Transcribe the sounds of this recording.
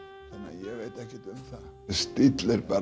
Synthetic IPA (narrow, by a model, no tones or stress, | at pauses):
θanːa̰jɛɣveːjt̪ɛhcɛt̪ʏmθa | st̪ɪt̪lɪɾpa